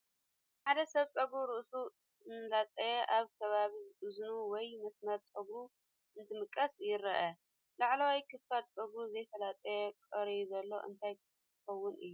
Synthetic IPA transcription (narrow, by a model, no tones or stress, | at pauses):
ħad̪ɐsɐβt͡sʼɐɡuɾɨʔsu | ɨnlat̪ʼɐjɛʔaβkʰɐβaβizɨʔɨznuwɔjmɐsnɐɾt͡sʼɐɡɾu | ʔɨnt̪ʰɨmɨkʼːɐsjɪɾɐʔɐ | laʕlɐwajkʰɨffat̪̚t͡sʼɐɡɾuzɐjfɐlat̪ʼɐjɛkʼɐɾizɐlːo̞̰ʔɨ̰nt̪ʰajk | ɨxɐwːʊnʔɨ̰jːu